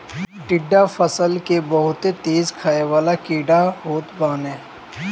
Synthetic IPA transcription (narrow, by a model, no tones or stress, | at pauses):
ʈɪɖːafəsəlkebəɦʊt̪et̪eːzkʰaːeʋaːlakiːɖaɦoːt̪baːnɛ̃ː